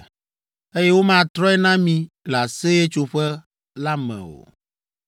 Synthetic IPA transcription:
e˦jɛ˦wo˦mã˦˨t̪ɾɔ˦ɛ˦nã˦mĩ˨ | la˨se˦je˦t͡ʃo˨ɸɛ˦ | la˦mɛ̰̃˨o̰˨

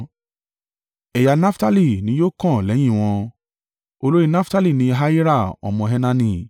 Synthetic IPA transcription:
ɛ˨ja˨na˦fta˦li˦˨nĩ˨˦joː˦kɔ̃˦˨lɛ˨˦j̃ĩ˦˨w̃ɔ̃˧ | o˧lo˦ɾĩ˦˧na˦fta˦li˦˨nĩ˧˦ɦa˦i˦ɾa˦˨ɔ̰˨mɔ̃˧ɦɛ˦nã˦nĩ˧˨

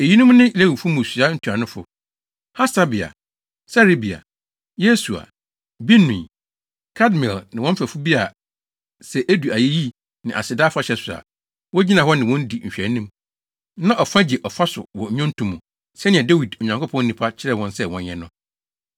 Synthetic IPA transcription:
e˨ji˦nʊ̃˦m˦nɪ̃˦i˨la˦wu˨fu˦mũ˨sɥa˦n̩˦tʰu˨a˨nʊ̃˦fʊ̰˨ | ha˦sa˦bɪ˨a̰˨ | sa˦ɾe˦bi˨a̰˨ | je˦su˨a̰˨ | bi˦nũ˨ | kʰa˦dmĩ˨lnɪ̃˨wɔ̃˦m̩˦fæ˨fu˦bi˦a˨ | sɛ˨ʔæ˦du˨a˨je˦ji˦ | nɪ̃˨ʔa̰˨sɪ˨daː˦fa˦ɕɛ˦sʊ˨a̰˨ | wɔ˦d͡ʑi˦nã˨hɔ˦nɪ̃˨wɔ̃˦n˦di˨ɲ̩˨ɕᶣɛ˨˦nĩ˦m | nã˦ʔɔ˨fã˦d͡ʑi˨ʔɔ˨fa˦sʊ̰˨wɔ˨ɲ˨˦ɔ̃˦n̩˦tʰũ˨mːũ˨ | sɛ˦nɪ̃˨ɛ˨da˦wi˨dɲã˨ŋkʰo˦pʰɔ̃˦n˦nĩ˨pʰa˦t͡ɕʰɪ˦ɾɛ˦˨wɔ̃˦nsɛ˦wɔ̃˨n˦jɛ̃˦nʊ̃˦

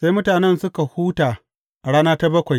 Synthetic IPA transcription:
sa˦jmʊ˦taː˨nɛ˦nsʊ˦ka˨huː˦taː˨ | ʔɽaː˦naː˦ta˦bɐ˦kʷa˨j

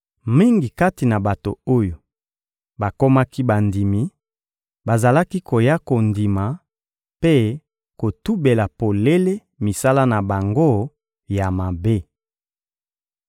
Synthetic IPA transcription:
mi˦ŋɡi˨ka˦ti˨na˨ba˨to̰˨o˦jo˨ | ba˨ko˦ma˦ki˦ba˨ndi˨mi˨ | ba˨za˨la˦ki˦ko˨ja˦ko˨ndi˨ma˨ | pe˦ | ko˨tu˦be˨la˨po˨le˦le˦ | mi˨sa˦la˦na˨ba˨ŋɡo˦ | ja˨ma˨be˦

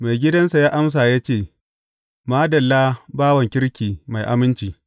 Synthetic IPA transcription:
ma˨jɡʲɪ˦dɐ˦nsa˨jaː˦ʔa˦ms̬aː˨jaː˦t͡ʃeː˦˨ | maː˦dɐ˨lːaː˦baː˦wɐ˨ŋkʲɪ˦ɽkʲiː˨ma˨jʔa˦mɪ˦nt͡ʃiː˨

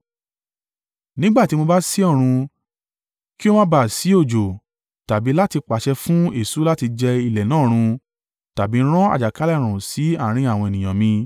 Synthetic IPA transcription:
nĩ˦ɡ͡ba˦˨ti˨˦mo˧ba˦si˦ɔ˦˨ɾ̃ũ˧ | ki˦o˦mã˦ba˦˨si˨˦o˦˨d͡ʒo˨ | ta˨bi˨˦la˦ti˧k͡pa˨ʃɛ˧fũ˦e˦˨su˨˦la˦ti˧d͡ʒɛ˧i˧˨lɛ˨nãː˦˨ɾ̃ũ˧ | ta˨bi˨˦ɾ̃ɔ̃˦a̰˦˨d͡ʒa˨ka˨˦la˦˨ɾ̃ũ˨si˨˦a˦˨ɾ̃ĩ˧a˨w̃ɔ̃˧e˨nĩ˨j̃ã˨mĩ˧

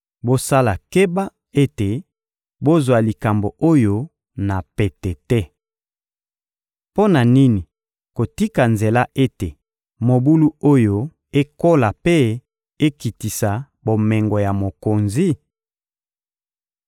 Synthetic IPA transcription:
bo˦sa˦la˨ke˦ba˦ | e˦te˨ | bo˦zwa˨li˨ka˨mbo˨ʔo˦jo˦ | na˨pɛ˨tɛ˨tɛ˦ | po˦na˨ni˦ni˨ | ko˨ti˦ka˨nze˨la˦ʔe˦te˨ | mo˨bu˦lu˦o˦jo˦ | e˦ko˦la˨pe˦ | e˦ki˨ti˨sa˨ | bo˨mɛ˨ŋɡɔ˨ja˨mo˨ko˨nzi˦

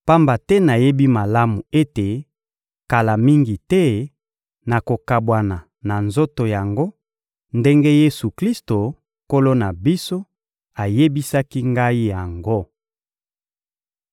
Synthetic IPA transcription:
pa˦mba˨tɛ˦na˨je˦bi˦ma˨la˦mu˨e˦te˨ | ka˨la˨mi˦ŋɡi˨tɛ˦ | na˨ko˨ka˨bwa˨na˨ | na˨nzo˦to˨ja˨ŋɡo˦ | nde˦ŋɡe˦je˦su˨kli˦sto˨ | ko˦lo˦na˨bi˦so˦ | a˨je˦bi˦sa˦ki˦ŋɡa˦i˦ja˨ŋɡo˦

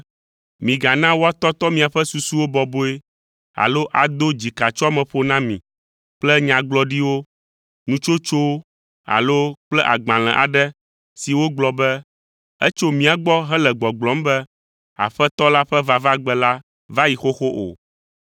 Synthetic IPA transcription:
mĩ˨ɡa˨nã˦wo˦a˦t̪ɔ˦t̪ɔ˦mĩ˨a˨ɸɛ˦su˨su˦wo˦bɔ˨bo˦e˦ | a̰˨lo˦ʔa˨d̪o˦d͡ʑi˨ka˨t͡ʃɔ˦a˦mɛ̃˨ɸo˦nã˦mĩ˨ | k͡plɛ˦ɲã˨ɡ͡blɔ˦ɖi˦wo˦ | nũ˦t͡ʃo˦t͡ʃo˦w | a̰˨lo˦k͡plɛ˦ʔa̰˨ɡ͡bã˨l̃ɛ̰̃˨ʔa˨ɖɛ˦ | si˨wo˦ɡ͡blɔ˨bɛ˦ | ɛ˦t͡ʃo˦mĩ˨˦a˨ɡ͡bɔ˦ɦɛ˦lɛ˨ɡ͡bɔ˨ɡ͡blɔ˨˦m˦bɛ˦ | a̰˨ɸɛ˦t̪ɔ˦la˦ɸɛ˦va˦va˦ɡ͡bɛ˨la˦ | va˦ji˨xo˦xo˦ʔo̰˨

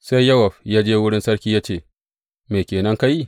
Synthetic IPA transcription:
se˦jːɐ˦wɐ˨ɸjaː˦d͡ʒeː˦wʊ˦ɽɪ˦nsɐ˦ɽkʲiː˦jaː˦t͡ʃeː˦˨ | meː˨kʲeː˨nɐ˦ŋka˦ji˦

